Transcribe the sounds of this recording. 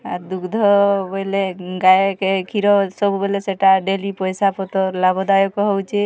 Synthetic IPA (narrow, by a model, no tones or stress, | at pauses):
aɾd̪ukd̪ʱɔbɔleɡajkekʰiɾɔsɔbubɔleseʈaɖelipɔjsapɔt̪ɔlabɔd̪ajɔkɔɦɔwt͡ʃʰe